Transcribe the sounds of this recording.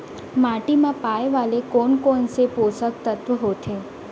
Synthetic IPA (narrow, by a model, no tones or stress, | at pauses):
maʈimãpajʋalekonkonseposək̚t̪ət̪ʋəɦot̪ʰe